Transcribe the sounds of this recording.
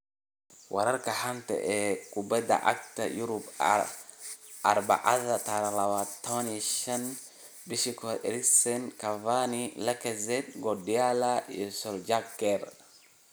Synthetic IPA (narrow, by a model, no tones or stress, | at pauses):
wʔa̰ɾaɾkahantɛ̰ʔɛkubɛda̰ʔa̰k̚tajuɾub | aɾba̰ʔazataɾalawatawaniʃan | biʃikɔɛ̰ɾiksɛnkavanilakɛzɛtɡɔdijalaɛsɔld͡ʒakːɛɾ